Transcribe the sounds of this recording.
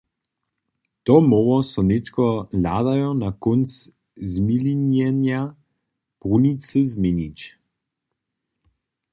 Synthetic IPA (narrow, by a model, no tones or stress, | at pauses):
t̪ɔmoʋɔsɔnet̪kɔlaːd̪ajɔnakons | zmilinjɛnja | pʁunisəzmenit͡ʃ